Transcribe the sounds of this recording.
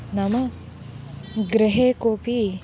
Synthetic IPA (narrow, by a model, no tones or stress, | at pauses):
nɐmɐ | ɡɾiɦeːkoːpi